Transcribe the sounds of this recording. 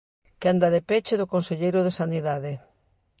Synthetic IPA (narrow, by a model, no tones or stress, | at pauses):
kand̪aðepet͡ʃeðʊkonseʎejɾʊðesaniðaðe